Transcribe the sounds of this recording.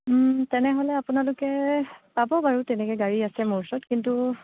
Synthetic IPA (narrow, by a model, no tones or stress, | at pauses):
tɛnɛɦolɛapunalʊkɛpabɔbaɹutɛnɛkɔɡaɹiasɛmoɹsɔtkintu